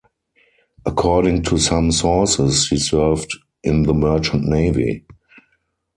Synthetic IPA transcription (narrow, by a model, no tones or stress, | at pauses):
ʔəkʰɔːɾɪ̃ŋtʰusãmsɔsɪshiːsɜ˞vd | ɪ̃nðəmɜ˞t͡ʃə̃ntneɪvḭ